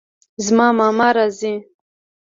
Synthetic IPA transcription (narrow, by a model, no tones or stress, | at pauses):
zmɑːmɑːmaɾazi